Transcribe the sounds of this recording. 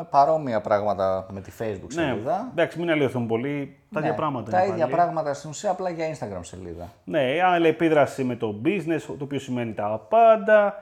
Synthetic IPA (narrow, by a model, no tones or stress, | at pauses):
pɐɾo̞miɐpɾɐɣmɐt̪ɐme̞t̪ifejzbuksneiðɐd̪ɐksiminɐlioθumpo̞li | t̪ɐðjɐpɾɐɣmɐt̪ɐit̪ɐiðʝɐpɾɐɣmɐt̪ɐst̪inusiɐːplɐʝɐinst̪ɐɡɾɐmsḛlḭðɐ̰ | ne̞ɐnlepiðɾɐsime̞t̪o̞bizne̞st̪oːpiço̞simve̞nit̪ɐpɐnd̪ɐ